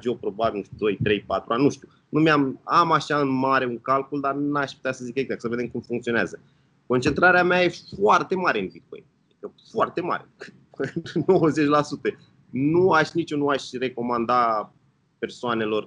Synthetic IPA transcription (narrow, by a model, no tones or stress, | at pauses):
d͡ʒopɾo̞babʲilnuʃt̪ud̪o̞jt̪ɾe̞jpat̪ɾuannuʃt̪iu | numʲamamaʃaɨnmaɾe̞uŋkalkuld̪anaʃpu̥t̪easəzikəeɡzak̪̚səve̞d̪e̞mkumfuŋkt̪sio̞neazə | ko̞nt͡ʃe̞nt̪ɾaɾeameaje̞foart̪e̞maɾe̞ɨnbit̪̚koḛat̪ikəfoart̪e̞ma̰ɾekɨ | ɨno̞wəze̞t͡ʃʲlasut̪ə | nuaʃʲnit͡ʃunuaʃʲre̞ko̞mand̪a | pe̞rsoane̞lo̞r